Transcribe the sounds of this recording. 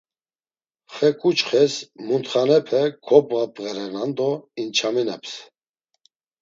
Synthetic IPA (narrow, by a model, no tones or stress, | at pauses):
χɛkʼut͡ʃχɛsmunt̪χanɛpʰɛkʰɔbʁapʼɛɾɛnand̪ɔint͡ʃʰaminɛps